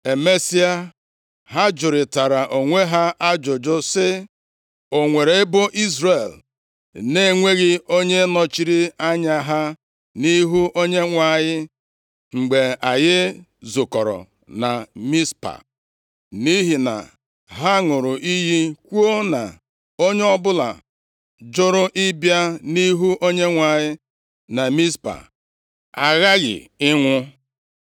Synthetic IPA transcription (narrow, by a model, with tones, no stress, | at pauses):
e˨me˦si˦a˦ | ɦa˦d͡ʒʊ˨ɾɪ˨ta˨ɾa˨ʔo˨ŋʷe˦ɦa˦a˦d͡ʒʊ˨d͡ʒʊ˦sɪ˦ | o˨ŋʷe˨ɾe˨ɪ˦bʊ˦ʔi˦zɾe˨l | ne˦˨ŋʷe˦ɣɪ˦o˦ɲe˦nɔ˨t͡ʃi˨ɾi˦a˦ɲa˨ɦa˦ | ni˦ɦu˦o˦ɲe˦ŋʷa˦˨ɲɪ˦ | ŋ͡m̩˨ɡ͡be˨a˨jɪ˦ | zʊ˨kɔ˨ɾɔ̰˨ | na˨mi˦spa̰˨ | ni˦ɦi˨na̰˨ | ɦa˦ŋʊ˨ɾʊ˨ʔi˦ɦi˦kʷu˦o˦na̰˨ | o˦ɲe˦ɔ˦bʊ˦la̰˨ | d͡ʒʊ˦ɾʊ˦ʔɪ˦bja˦ni˦ɦu˦ʔo˦ɲe˦ŋʷa˨ɲɪ˦ | na˨mi˦spa̰˨ | a˨ɣa˦ɣɪ̰˨ɪ˦ŋʷʊ˦